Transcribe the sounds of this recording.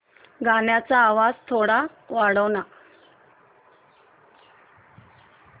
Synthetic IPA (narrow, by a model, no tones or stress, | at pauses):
ɡʱanjat͡saːʋad͡zt̪ʰoɽa | ʋaɽəʋna